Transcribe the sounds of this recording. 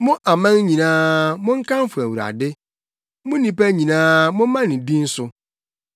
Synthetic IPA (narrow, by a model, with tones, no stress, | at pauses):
mʊ̃˦ʔa˨mã˦n˦ɲĩ˨nãː˦mʊ̃˦ŋ̩˦kʰã˦m˦fʊ˨æ˨wu˨ɾa̰˨dɪ˦ | mʊ̃˦nĩ˦pæ˦ɲĩ˨nãː˦mʊ̃˦mã˦nɪ̃˨bi˦n̩˦sʊ˦